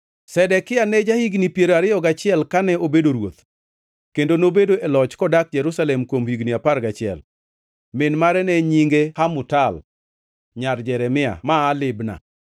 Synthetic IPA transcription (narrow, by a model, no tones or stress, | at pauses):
sɛdɛkɪanɛd͡ʒahiɡnipjeɾaɾɪɔɡat͡ʃɪɛlkanɛobedoɾwot̪ | kendonobedoɛlɔt͡ʃkɔdak̚d͡ʒɛɾusalɛmkwomhiɡniapaɾɡat͡ʃɪɛ̰l | mɪnmaɾɛnɛɲiŋɡehamʊtal | ɲard͡ʒɛɾɛmɪa̰maːlɪbna̰